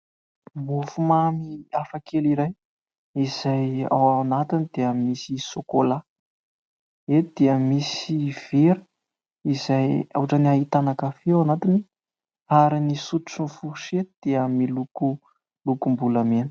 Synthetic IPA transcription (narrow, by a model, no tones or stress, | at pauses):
mufumamiafakʰeliɾaj | iz̥aja̰wanat̪inid̪eəmisisokola | ed̪̥eəmisiv̥eɾə̥ | izaja̰waʈ͡ʂəniaɦit̪anakafianat̪ini | aɾinisut̪u̥t͡sunfuʃed̪̥eəmiluku | lukumbulamen